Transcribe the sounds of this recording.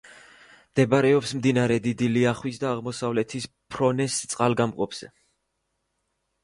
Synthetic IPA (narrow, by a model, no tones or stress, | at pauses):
md̪̥ɛbaɾɛɔpsmd̪inaɾɛd̪id̪iliaχwis̬d̪aːʁmɔsavlɛt̪ʰis | pʰɾɔnɛst̪sʼqʼalɡamqʼɔpʰz̥ɛ̰